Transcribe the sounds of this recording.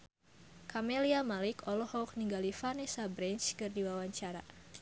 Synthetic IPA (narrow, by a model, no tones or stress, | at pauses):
kʰameliamalikʰɔlɔhɔk̚niŋɡalifanɛsabɾɛnt͡ʃkɨrdiwawaɲt͡ʃaɾa̰